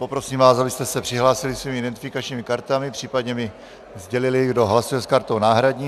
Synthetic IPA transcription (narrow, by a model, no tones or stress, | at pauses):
po̞pɾo̞siːmvaːsabɪst̪ɛsɛpr̥ɪɦlaːsɪlɪksviːmɪʔɪdɛnt̪ɪfɪkat͡ʃɲiːmɪkaɾt̪amɪpr̥iːpadɲɛmɪ | zɟɛlɪlɪɡdo̞ɦlasujɛskaɾt̪ownaːɦɾaɟɲiː